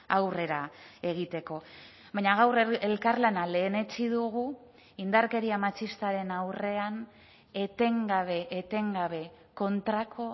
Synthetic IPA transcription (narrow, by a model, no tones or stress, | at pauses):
awre̞ɾae̞ɣ̞it̪e̞ko̞ | bajɲaɣawrelkarlanale̞ːne̞t͡ʃiðuɣu | ind̪aɾke̞ɾiamat͡ʃist̪aɾe̞nawre̞an | e̞t̪e̞ŋɡaβe̞ʔːt̪e̞ŋɡaβe̞ | ko̞nt̪ɾakʰo̞